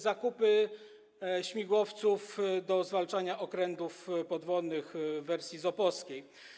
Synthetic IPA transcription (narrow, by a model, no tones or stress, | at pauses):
zakupɘ | ɕmʲiɡwɔft̪sufd̪ɔzvalt͡ʂaɲaʔɔkɾɛnt̪ufpɔd̪vɔlnːɘxvːɛɾsʲjizɔpɔskʲej